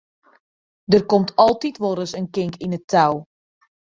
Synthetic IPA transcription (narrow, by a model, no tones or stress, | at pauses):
dərkɔmtʰɔlˠtitʋoɾəsənkɪŋkinətʰːaw